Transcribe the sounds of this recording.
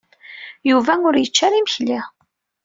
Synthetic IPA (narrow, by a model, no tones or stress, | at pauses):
juvæʊɾjət͡ʃːaɾiməçli